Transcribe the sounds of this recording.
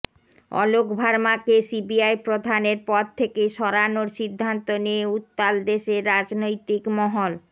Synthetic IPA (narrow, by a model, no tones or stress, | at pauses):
ɔ̰lokbʱaɾmakesibiajpɾod̪ʱaneɾpɔd̪̚t̪ʰekeʃɔɾanoɾʃid̪ʱːant̪oneeut̪ːald̪eʃeɾːad͡ʑnojt̪ikmɔɦol